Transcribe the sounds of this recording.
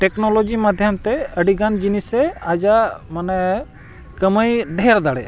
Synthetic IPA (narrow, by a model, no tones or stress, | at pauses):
ʈeknolod͡ʒimad̪ʱjəmt̪ɛəɖiɡand͡ʒinisɛad͡ʒamanɛ | kəməjɖʱɛɾd̪aɽɛ̰